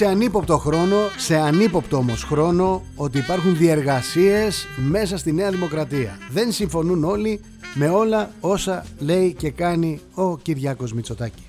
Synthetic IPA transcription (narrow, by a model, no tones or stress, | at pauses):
se̞ɐnipo̞pt̪o̞xɾo̞no̞se̞ɐnipo̞pt̪oo̞mo̞sxɾo̞no̞ | o̞t̪̬iːpɐɾxunðie̞ɾɣɐsie̞sme̞sɐst̪ine̞ɐðimo̞kɾɐt̪iɐ̰ðe̞nsiɱfo̞nuno̞li | me̞o̞lɐo̞sɐle̞ice̞kɐni | o̞ciɾʝɐko̞zmit͡so̞t̪ɐci̥